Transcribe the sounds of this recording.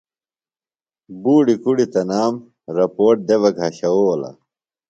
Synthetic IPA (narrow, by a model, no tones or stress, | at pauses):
buːɖikuɽit̪ɐnaːm | ɾɐpoːʈ̚d̪eʋɐɡʱɦɐɕɐoɐla̰